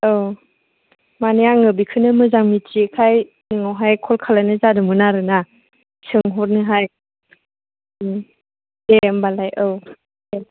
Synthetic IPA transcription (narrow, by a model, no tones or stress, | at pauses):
ɯw | manejaŋɯbikʰɯnɯmɯzaŋmit͡ʃikʰaj | ɯŋawɦajkʰɔlkʰalajnɯzadɯmɯnaɾɯna | sɯŋɦɔt̚nɯɦaj | dembalajʔɯw | e